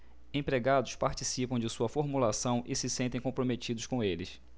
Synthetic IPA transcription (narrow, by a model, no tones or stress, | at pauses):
ẽpɾeɡad̪ʊspaɾt͡ʃisipɐ̃w̃d͡ʒɪsuɐfoɾmulasɐ̃w̃ʔɪsɪsẽnt̪ẽj̃kõmpɾomet͡ʃid̪ʊskõw̃elɪs